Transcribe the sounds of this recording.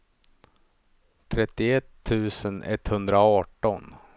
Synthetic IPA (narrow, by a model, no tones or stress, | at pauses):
t̪ʰɾɛt̪ːɪɛt̪ʰːʉ̟ːsənʔɛ̰t̪ːhɵnd̪ɾaɑːʈɔn